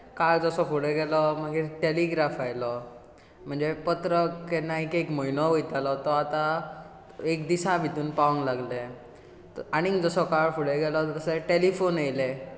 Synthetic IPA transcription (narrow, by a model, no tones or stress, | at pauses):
kaɭd͡zɔsɔfuɽeɡɛlɔməɡeʈeliɡɾafajlɔ | m̤əɳd͡zepət̪ɾəkenaikekməjnɔʋojt̪alɔt̪ɔat̪a | ekd̪isãbʱit̪uːnpaʋə̃ŋɡlaɡle | aɽ̃iŋd͡zɔsɔkaɭfuɽeɡɛlɔt̪t̪əseʈelifonejle